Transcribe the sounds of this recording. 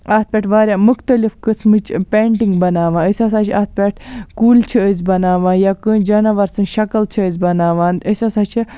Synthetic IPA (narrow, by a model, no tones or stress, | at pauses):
aːt̪̚ʰpʲeːʈʰʋaːɾʲjaːmuxt̪ɐlifkɨsmɨt͡ʃpʲeːɳʈiŋɡbɐnaːʋãːəsʲɐsaːt͡ʃʰa̰ːt̪̚ʰpʲeːʈʰkuːlt͡ʃʰiəzʲbɐnaːʋãːnjaːkɨ̃d͡ʒɐnɐʋɐɾsɨnʃɐkɐlt͡ʃʰiəzʲbɐnaːʋãːnəsʲɐsaːt͡ʃʰi